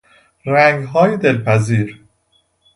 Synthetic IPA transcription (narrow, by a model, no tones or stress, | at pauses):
ɾæŋɡɦɒːjed̪elpʰæziːɾ